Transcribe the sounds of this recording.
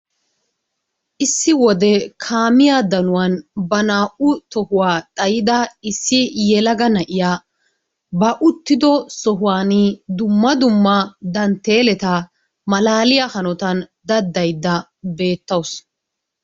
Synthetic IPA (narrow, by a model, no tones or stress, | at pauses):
ʔɪsːɪwɔd̪ɛkʰaːmɪjaːd̪ɐnʊwɐnbɐnaːʔʊt̪ɔhʊwaːt̪ʼɐjɪd̪ɐɪsːɪjɛlɐɡɐnɐʔɪjaː | bɐʔʊt̪ːɪd̪ɔsɔɦʊwaːnid̪ʊmːɐd̪ʊmːɐd̪ɐnt̪ːeːlɛt̪ɐ | mɐlaːlɪjɐhɐnɔt̪ɐnd̪ɐd̪ːɐjd̪ːɐ | be̞ːt̪ːɐwʊs